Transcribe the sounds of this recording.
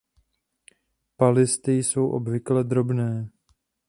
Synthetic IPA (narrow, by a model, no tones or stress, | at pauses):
palɪst̪ɪjso̞wʔobvɪklɛd̪ɾo̞bnɛː